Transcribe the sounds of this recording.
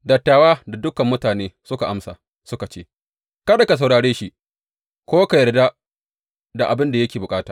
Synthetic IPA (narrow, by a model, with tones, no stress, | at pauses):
dɐ˨tːaː˨waː˦da˨dʊ˦kɐ˨mːʊ˦taː˨neː˦sʊ˦ka˨ʔa˦msa̰ː˨ | sʊ˦ka˨t͡ʃeː˦ | kɐ˦da˨ka˨s̬a˨wɽaː˨ɽeː˦ʃi˦ | kʷoː˦ka˨jɐ˨rda˦ | da˨ʔa˨bɪ˦nda˨jɐ˦kʲeː˨bʊ˨kʼaː˦taː˨